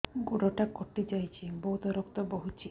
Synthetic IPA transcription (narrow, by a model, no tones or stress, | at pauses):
ɡuɽɔʈakɔʈid͡ʒajt͡ʃʰibɔwt̪ɔɾɔkt̪ɔbɔɦut͡ʃʰi